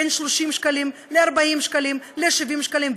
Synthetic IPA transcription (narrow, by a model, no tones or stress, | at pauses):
enʃloʃimʃkalimleaʁbaimʃkalimleʃivimʃkalim